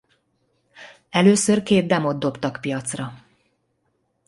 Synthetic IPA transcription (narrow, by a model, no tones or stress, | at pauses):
ɛløːsø̞rkeːd̪̚d̪ɛmo̞d̪̚d̪o̞pt̪ɒkpijɒt̪srɒ